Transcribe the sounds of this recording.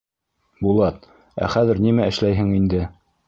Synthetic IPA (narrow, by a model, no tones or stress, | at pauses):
bulˠɑt̪̚ | æ̰χæðɘ̆ɾnimæɘ̆ʃlæjɦɘŋind̪ɘ